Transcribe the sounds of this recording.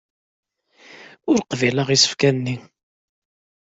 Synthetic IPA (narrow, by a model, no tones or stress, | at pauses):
ʊɾqviləʁisə̥fkænnːi